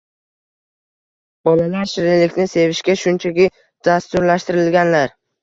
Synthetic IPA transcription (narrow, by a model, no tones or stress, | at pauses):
b̥ɒlalaɾʃɪɾɪlɪkʲnɪse̞vɪʃkʲaʃʊnt͡ʃʰakʲɪ | d̪̥ast̪ʊɾlaʃt̪ɪɾɪlɡʲanlaɾ